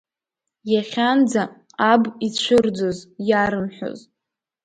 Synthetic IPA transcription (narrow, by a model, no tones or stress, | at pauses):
jaχʲand͡za | abit͡ɕʷʰʊrd͡zozjaɾɨmħʷo̰z